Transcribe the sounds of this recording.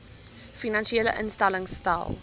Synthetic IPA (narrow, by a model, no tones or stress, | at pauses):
finãnʃielə̰ʔənstaləŋsta̰ɪlˠ